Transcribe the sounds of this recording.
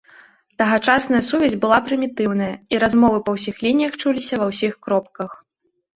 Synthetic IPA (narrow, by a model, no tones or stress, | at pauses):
t̪ɐɣat͡ʂasnɐjɐsuvʲɛzʲbɨlˠapɾɨmʲit̪ɨwnɐjɐiɾazmɔvɨpɐwsʲixlʲinʲijɐxt͡ʂulʲisʲɐvɐwsʲixkɾɔp̚kɐx